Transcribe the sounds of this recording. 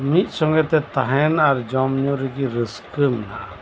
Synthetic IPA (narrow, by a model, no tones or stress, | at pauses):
mit̪̚ˀsɔŋɡɛt̪ɛt̪aɦɛnaɾd͡ʒɔmɲuɾikiɾəskəmna